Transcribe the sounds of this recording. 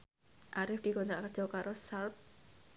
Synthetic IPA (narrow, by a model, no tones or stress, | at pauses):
ʔaɾɪfd̥i̤kɔnt̪ɾaʔkərdd͡ʒ̥ɔ̤kaɾosalp̚